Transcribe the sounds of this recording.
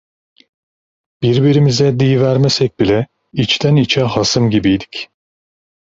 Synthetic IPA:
b̥iɾbiɾimizɛd̪ijvæɾmɛsɛc̚ʲbilʲɛ | it͡ʃt̪ʰænit͡ʃʰɛɦasɯmɟibijd̪i̥c

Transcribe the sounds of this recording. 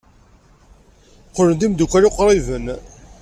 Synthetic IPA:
qːolənd̪imd̪ukʷːæɾoqɾˤivən

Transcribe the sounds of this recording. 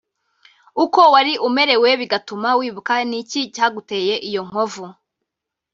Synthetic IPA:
uko̞waɾiʔume̞ɾe̞we̞βiɡatumawiːβukanicicaːɡute̞ːje̞ʔijo̞ŋ̥ovu

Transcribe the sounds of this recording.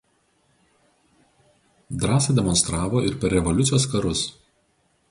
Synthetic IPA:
d̪ɾɑːsɐd̪ʲɛmɔnst̪ɾɑːʋoːʔɪɾpʲɛɾʲɾʲɛʋɔlʲʊt̪ʲɪjoːskɐɾʊs

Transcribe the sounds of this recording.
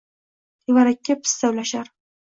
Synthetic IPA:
ɪvaɾakʲːapʰɪ̥st̪awlaʃaɾ

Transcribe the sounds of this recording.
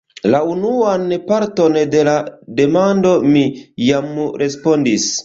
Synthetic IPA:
launuanpaɾto̞nde̞lade̞mando̞mijamɾʔe̞spondis

